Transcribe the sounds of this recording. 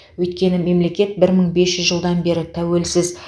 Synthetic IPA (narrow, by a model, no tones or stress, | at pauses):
wɵjt̪kʲe̞nɪme̞mle̞kʲe̞t̪̚bɪɾməɴbe̞sʒʏzʒəlˠd̪ɑnbe̞ɾɪt̪ʰæwe̞lsɪz